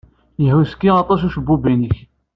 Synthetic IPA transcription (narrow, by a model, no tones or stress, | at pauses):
jəhuskːiɑt̪ˤɑs̬uʃəbːubinəç